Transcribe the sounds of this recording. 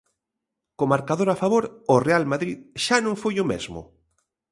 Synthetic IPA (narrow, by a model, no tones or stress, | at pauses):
komaɾkaðoɾafaβoɾorealmaðɾiðʃanõŋfujomḛzmʊ̰